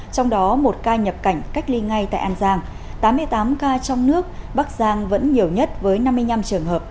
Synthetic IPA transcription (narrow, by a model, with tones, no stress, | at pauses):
t͡ɕɔ˧wŋ͡mɗɔ˨˦mo˨˩t̚kaː˧ɲə˨˩p̚ka˧˩jŋ̟ka˦˥jk̟̚li˧ŋa˧jt̪a̰ː˧˨ʔaː˧nzaː˧ŋ | t̪aː˨˦mːɨ˧əjt̪aː˨˦mkaː˧t͡ɕɔ˧wŋ͡mnɨ˦˥ək̚ɓaː˦˥k̚zaː˧ŋvə̰˧˥nɲi˨˩əwɲə˦˥t̚vəː˨˦jna˧mːɨ˧əjɲa˧mt͡ɕɨ˨˩əŋɦəː˨˩p̚